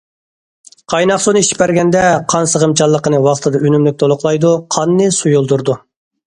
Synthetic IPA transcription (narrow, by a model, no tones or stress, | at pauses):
qʰɑjnɑqsonɨiʃi̥pɛɾɡʲɛnd̪ɛqʰɑnsəʁəmt͡ʃʰɑlˠːəqənɨwɑχt̪ʰɨd̪ɑønymlyk̚ʲt̪ʰolˠʊqlˠɑjd̪uqʰɑnːɨsujulˠd̪uɾd̪u